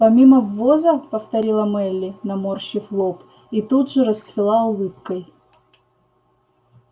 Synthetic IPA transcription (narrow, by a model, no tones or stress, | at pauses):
pɐmʲiməvːozəpəft̪ɐɾʲilˠəmɛlʲːɪnɐmorɕːɪflˠop | it̪ud̪ʐɨɾəst̪vʲɪlˠaʊlˠɨpkəj